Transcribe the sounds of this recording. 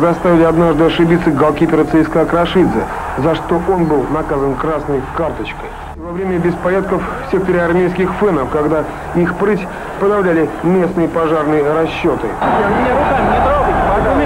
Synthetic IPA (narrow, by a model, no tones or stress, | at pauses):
zɐst̪avʲɪlʲɪɐd̪naʐd̪ɨɐʂɨbʲit̪sːəɡɐlˠkʲipʲɪɾət̪sɛjskəɐkɾɐʂɨd̪zə̰ | zɐʂt̪o̞ʔo̞nbɨlˠnɐkazənkɾasnəjkart̪ət͡ɕkəj | vɐvɾʲemʲəbʲɪspɐɾʲat̪̚kəffsʲe̞k̚t̪əɾʲɪɐrmʲejskʲɪxfɛnəfkɐɡd̪a | ixpɾɨtʲ | pəd̪ɐvlʲælʲɪmʲe̞snɨjəpɐʐarnɨjəɾɐɕːo̞t̪ɨ | ɪt̪